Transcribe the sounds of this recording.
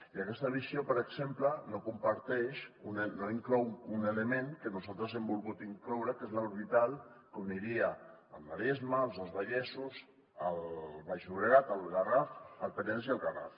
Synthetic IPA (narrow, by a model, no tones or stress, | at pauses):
iakɛst̪əβisjopəɾeksemplənokumpaɾt̪ɛʃunenoiŋklɔwunelemẽŋkənuzalˠt̪ɾəzembulɣut̪iŋklɔwɾəkezlauɾβit̪alˠkomniɾia | ə̰lˠmaɾezmaːlˠzəlˠzβaʎɛsus | əlβaʒuβɾeɣat̪əlβɣarafalˠpət̪ɛns̬ialˠɣara̰f